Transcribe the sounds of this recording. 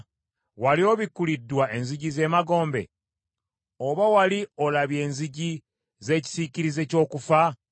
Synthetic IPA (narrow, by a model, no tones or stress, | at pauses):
walioβikulidːwaʔe̞nziɟize̞ːmaɡo̞ːmbe̞̰ | oβawalio̞laβje̞ːnziɟi | ze̞ːci̥siciɾize̞co̞ːkufa